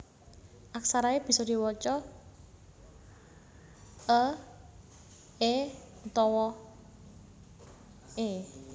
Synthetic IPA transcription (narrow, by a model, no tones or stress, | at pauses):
ʔaksaɾaeb̥i̤sɔd̪̥i̤wɔt͡ʃɔ | ʔə | ʔe | ut̪ɔwɔ | ʔe